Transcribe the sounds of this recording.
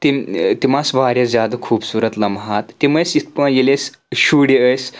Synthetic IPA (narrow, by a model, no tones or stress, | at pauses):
t̪imt̪imasʋʱaːɾjɐzjad̪ɐkʰuːpsuɾət̪lɐmɦat̪ːiməsit̪pə̃jeles | ɕuɽiəjs